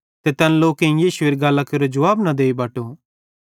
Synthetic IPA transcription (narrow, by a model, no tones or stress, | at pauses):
t̪et̪ɐnloːkẽĩjiːsueːɾiɡɐlakɐɾod͡ʒɐʋaːbnɐd̪eːibaːʈo